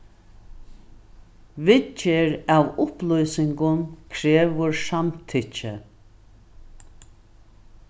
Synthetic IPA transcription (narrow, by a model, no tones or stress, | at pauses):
vɪt͡ʃɪɾavʊplujsɪŋkʊnkʰɾeːʋʊɹsamt̪ʰɪt͡ʃə